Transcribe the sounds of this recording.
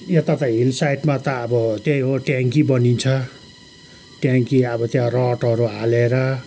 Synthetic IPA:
jet̪at̪ʌɦilsajʈmat̪ʌːbʌt̪ejɦoʈjaŋkibʌnint͡sʰʌ | ʈjaŋkiʌbʌt̪jãrʌʈʌɾualeɾʌ

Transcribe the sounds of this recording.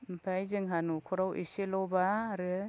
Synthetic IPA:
mpʰajzɯŋɦanukʰɔɾawʔḭselɔbaːɾɯ

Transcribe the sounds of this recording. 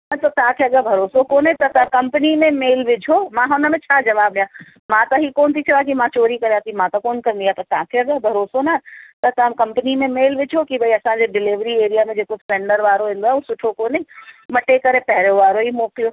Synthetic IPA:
ɐt̪ɐt̪ɐɦãkʰeɐɠabʱɐɾoːsokoːnẽt̪ɐt̪ɐ̃kɐ̃mpənimẽmeːlʋɪd͡ʑʱomãɦʊnəmẽt͡ɕʰaːd͡ʑɐʋaːblijãː | mãt̪ɐɦikoːnt̪ʰit͡ʃʰɐʋaːkimãt͡ɕoːɾikɐɾijãːt̪ʰimãt̪ɐkoːnkɐ̃nd̪iat̪ɐt̪ãkʰeɐɠabʱɐɾoːsonat̪ɐt̪ɐ̃mkɐ̃mpnimẽmeːlʋɪd͡ʑʱokibɐiɐsãɲd͡ʑeɖɪlɪʋɾieːɾijamẽd͡ʑeːkospẽːɳɖəɾʋaːɾoɦũːn̆d̪oaɦɛusʊʈʰokoːneimɐʈekɐɾepɛɦɪɾoʋaːɾoimoːklijo

